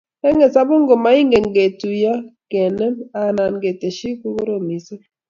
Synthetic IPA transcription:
ɛ˦ŋɛ˨sa˦bo˦ŋ˦ɡo˨ma˨˦i˦ŋɡe˨ŋɡe˨tu˨ja˦kɛ˨nɛ˦ma˨na˨nɡe˨te˨ʃi˦ku˦ko˦ɾo˨mi˨se˦

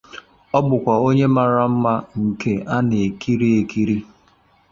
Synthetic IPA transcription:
ɔ˦bʊ˨kʷa˨o˦ɲe˦ma˨ɾa˨m̩˦ma˦ŋ̩˨ke˦ʔa˦ne˨e˨ki˦ɾi˦e˨ki˦ɾi˦

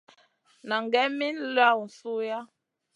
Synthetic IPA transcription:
na˨ŋ˨ɡɛ˦mi˦n˦la˦w̩˨su˦ja˦

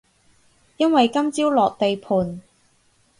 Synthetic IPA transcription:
jɐ˥nwɐ˨jkɐ˥mt͡siː˥wlɔː˨k̚t̪e˨jpʰuː˨˩n

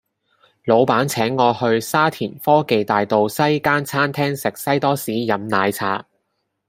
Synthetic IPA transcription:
lo˨˧wpaː˨˥nt͡sʰɛː˨˥ŋːɔː˨˧hɵ˧ɥsaː˥t̪ʰiː˨˩nfɔː˥ke˨jt̪aː˨jt̪o˨wsɐ˥jkaː˥nt͡sʰaː˥nt̪ʰɛː˥ŋsɪ˨k̚sɐ˥jt̪ɔː˥siː˨˥jɐ˨˧mnaː˨˧jt͡sʰaː˧

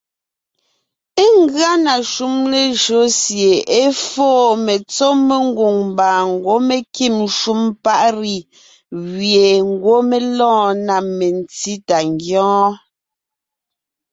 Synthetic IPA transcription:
e˦ŋ˦˨ɡɰa˦na˨ʃu˦mle˨ʒo˨˦sje˨e˦foː˦˨me˨t͡so˦me˦ŋ˦ɡu˨ŋmbaː˨ŋ˦˨ɡwo˨˦me˨ki˦˨m˦ʃu˦mpa˦ʔɾi˨ | ɣje˨ŋ̩˦˨ɡwo˦me˦lɔ̃ː˦na˨me˨n˨ti˦ta˨ŋ˨ɡjɔ̃ː˦

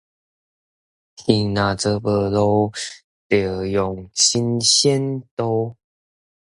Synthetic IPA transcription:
tʰi˧˩ŋna˨˩t͡sə˧pə˧lo˧˦ | t̪ə˨˩jɔ˨˩ŋɕi˧nɕɛ˦nt̪o˧

